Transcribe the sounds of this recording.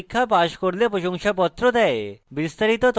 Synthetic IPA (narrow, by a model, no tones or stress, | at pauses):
kʰːapaʃkɔɽlepɾoʃɔŋʃapɔt̪ːɾɔd̪aebist̪aɾit̪ɔt̪